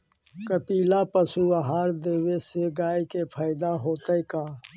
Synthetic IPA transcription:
kəpiːlaːpəsuəɦaːɾd̪eːweseɡaːjkepʰaːɪd̪aɦoːt̪əikaː

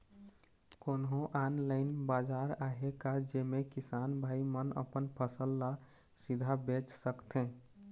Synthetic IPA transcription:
konɦõʔanlaɪnbad͡ʒaɾaɦekad͡ʒemekisanbʱaimənə̰pənpʰəsəlːa | sid̪ʱabet͡ʃsəkt̪ẽ

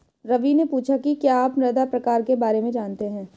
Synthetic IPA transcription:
ɾɐʋinepuːt͡ʃʰakikjaaːpnɐd̪apɾɐkaːɾkebaːɾemẽd͡ʒaːnt̪eɦɛ̃ː

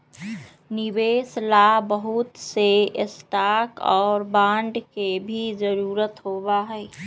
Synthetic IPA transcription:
nɪbeːslabəɦut̪seɪsʈaːkɔːɾbãːɳɖkebʱid͡ʒəɾuːɾət̪ɦobaɦɛː

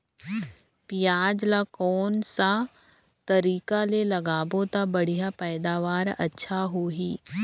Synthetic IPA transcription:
pijaːd͡ʒlakɔːnsa | t̪ɐɾiːkalelɐɡaːbot̪abɐɽ̤ijapɛːd̪aːʋaːɾɐ̰tːʃʰaɦoːɦiː

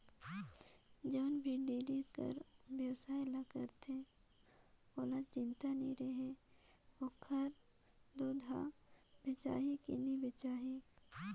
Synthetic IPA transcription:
d͡ʒoːnbʱiɖiːlikə̰ɾbjəwsaːɪlakəɾt̪ẽ | oːlat͡ʃɪnt̪anĩɾeɦe | okʰːəɾ | d̪oːd̪ʱa̰bɪt͡ʃa̰ːɦikḭnibɪt͡ʃaːɦi

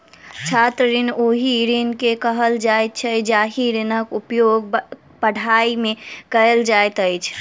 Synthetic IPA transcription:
t͡ʃʰat̪ɾəɾinoɦiɾinkekəɦəld͡ʒajt̪̚t͡ʃʰəd͡ʒaɦiɾinəkupjoɡ | pəɽ̤ʱaimekəld͡ʒajt̪əjt͡ʃʰ

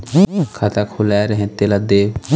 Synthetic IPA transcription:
kʰat̪akʰulaɾəɦẽt̪elad̪eːʋ

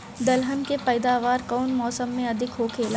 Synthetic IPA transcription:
d̪ɐlɦənkepɐːd̪aːʋaːɾkɔːnmɔːsəmːẽɐd̪ʱɪkɦoːkʰeːla

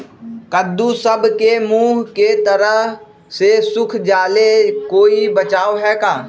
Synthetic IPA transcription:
kəd̪ːusəbkemuːɦket̪əɾəɦ | sesʊkʰd͡ʒaːlekoːibət͡ʃaːoɦɛkaː

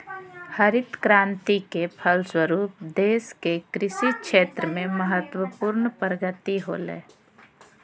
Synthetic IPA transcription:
həɾɪt̪kɾãːnt̪ikepʰəlswəɾuːp̚d̪eːskekɾɪʃikʃeːt̪ɾəmẽməɦət̪wəpuːɾnpɾəɡət̪iɦo̰ːlḛː

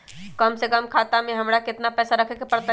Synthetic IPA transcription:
kəmsekəmkʰaːt̪amẽɦɐmɾakɪt̪napɛːsaɾɐkʰekepɐɾt̪a

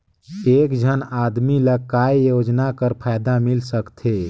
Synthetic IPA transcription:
ekd͡ʒʱənad̪miləkajjod͡ʒnakəɾpʰajd̪amilsəkt̪ʰe

